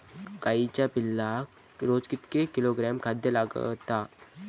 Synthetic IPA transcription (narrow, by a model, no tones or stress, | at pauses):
kaːit͡ʃapɪlːa | ɾoːd͡ʒkɪt̪kekɪloːɡɾɛːmkʰad̪jəlaɡ̰t̪aː